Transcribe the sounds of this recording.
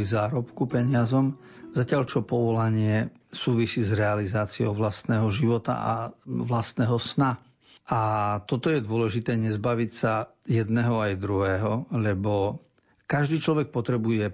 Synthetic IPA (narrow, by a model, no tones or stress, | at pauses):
lizaːɾɔpkupɛɲɪazɔm | zacɪaʎt͡ʃɔpɔʋɔlaɲɪɛ | suːʋisiːzɾɛalizaːt͡siɔʊʋlast̪nɛːɦɔʒiʋɔt̪a̰a̰ʋlast̪nɛːɦɔsna | ʔat̪ɔt̪ɔjɛd̪ʊɔlɛʒit̪ɛːɲɛzbaʋicsajɛd̪nɛɦɔajd̪ɾuɦɛːɦɔlɛbɔ | kaʒd̪iːt͡ʃlɔʋɛk̚pɔt̪ɾɛbujɛ